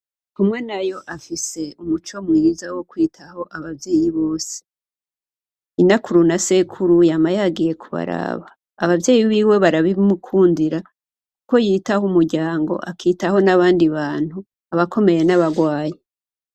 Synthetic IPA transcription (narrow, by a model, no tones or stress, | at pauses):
humŋe̞najo̞ʔafise̞umut͡ʃo̞mŋizawo̞kwiːtʰaho̞ʔaβavje̞ːjiβo̞ːse̥ | inakuɾunase̞kʰuɾujamajaːɡije̞kʰuβa̰ɾa̰βaː | βavje̞ːjiβiːwe̞βaɾaβimukʰuːndiɾa | kuko̞jiːtahumuɾɟaːŋɡo̞̰ʔa̰kʰiːtaho̞naβaːndiβaːn̥hu | aβakʰo̞me̞je̞naβaɡwaːje